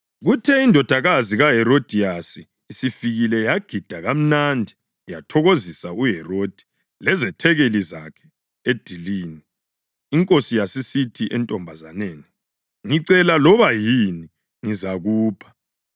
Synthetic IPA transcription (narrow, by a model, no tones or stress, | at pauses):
ɣutʰɛindʱɔd̥ʱaɣaziɣaɦɛɾod̥ʱiasiː | sifiɣilɛjaɡ̥ʱid̥ʱaɣam̩nandʱi | jatʰɔɣozisauɦɛrod̥ʱi̥ | lɛzɛtʰɛɣelizakʰɛ̥ | ed̥ʱiliːniː | ŋkʼosijasisitʰiʔɛntʼɔmbʱazaneːni | ŋiǀɛlalɔβajini | ŋizaɣuːpʰḁ